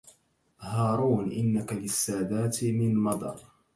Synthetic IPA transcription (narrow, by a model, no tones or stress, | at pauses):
hɑːɾuːnʔɪnːakalɪsːaːd̪aːt̪mɪnmɑd̪ˤɑ̰ɾˤ